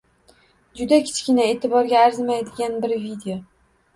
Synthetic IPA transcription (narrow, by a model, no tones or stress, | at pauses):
d͡ʒʊd̪akʲʰɪ̥t͡ʃkʲɪnae̞ːt̪ʰɪbɒɾɡʲaːɾzɪmajd̪ɪɡʲanbɪɾvid̪eo